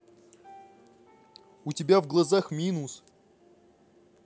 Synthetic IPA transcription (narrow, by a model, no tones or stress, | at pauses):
ʊtʲɪbʲavɡlˠɐzaxmʲinʊs